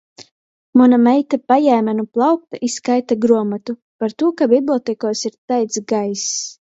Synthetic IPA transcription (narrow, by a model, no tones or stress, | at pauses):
munamɛjt̪apajæːmænuplˠɑwk̚t̪aʔiskajt̪aɡɾuɔmat̪u | paɾt̪uɔkabʲiblʲˠɔt̪ɛkɔɔsiɾt̪ajt̪sɡajs